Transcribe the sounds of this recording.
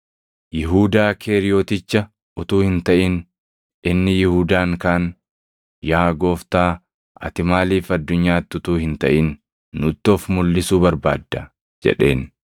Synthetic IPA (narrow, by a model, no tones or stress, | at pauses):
jɪɦuːd̪aːkʰeːɾɪjoːt̪ɪt͡ʃːɐ | ʊt̪uːhɪnt̪ɐʔɪn | ʔɪnːɪjɪhuːd̪aːŋkaːn | jaːɡo̞ːft̪aː | ɐ̰t̪ɪmaːliːfɐd̪ːʊɲːaːt̪ːʊt̪uːhɪnt̪ɐʔɪnː | ʊt̪ːɔfmʊlːɪsuːbɐɾba̰ːd̪ːɐ | d͡ʒɛ̰ᶑe̞̰ːn